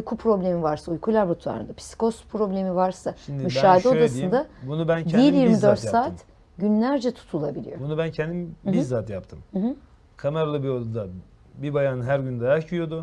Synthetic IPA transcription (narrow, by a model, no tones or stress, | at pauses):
ujkʰupʰɾo̞blʲemivaɾsaujkʰulʲaɾbut̪ʰua̰ɾɯ̰nd̪apʰi̥si̥ko̞spʰɾo̞blʲe̞mivaɾsaʃimd̪imyʃaːd̪ɛod̪asɯind̪abunubæncʰɛilʲjiɾmid̪øɾt̪saːt̪ʰ | ɟynlʲæɾd͡ʒɛt̪ʰu̥t̪ʰulˠabilʲḭjo̞bunubæncʰɛnd̪imbizaːt̪japt̪ʰɯmɦ̩ | kʰameɾalˠɯbiod̪ud̪a | bibajanɯɦæɾɟynd̪ajacʰyjo̞d̪ʊ